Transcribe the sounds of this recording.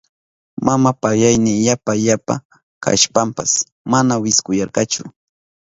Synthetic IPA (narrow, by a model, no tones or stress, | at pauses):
mamapajajnɪjapajapa̰ | kʰa̰ʃpampas | manawɪskʊjɑɾɢɑt͡ʃʊ